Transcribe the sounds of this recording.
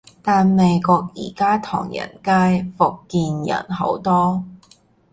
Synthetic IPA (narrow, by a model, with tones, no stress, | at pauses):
t̪aː˨nme˨˧jkɔː˧k̚jḭː˨˩kaː˥t̪ʰɔ̰ː˨˩ŋjɐ̰˨˩nkaː˥jfʊ˨kːiː˧njɐ̰˨˩nɦo̰˨˥wt̪ɔː˥